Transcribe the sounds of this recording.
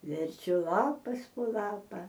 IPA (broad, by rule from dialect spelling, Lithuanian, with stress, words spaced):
ʋʲɛrʲˈt͡ʃʲʊ ˈlˠɑːpɐs poː ˈlˠɑːpɐ